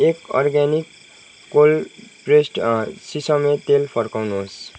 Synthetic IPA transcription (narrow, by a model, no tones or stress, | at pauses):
ekɔ̰rɡanikː | olpresʈsisʌmet̪elpʰʌɾkawnuɦos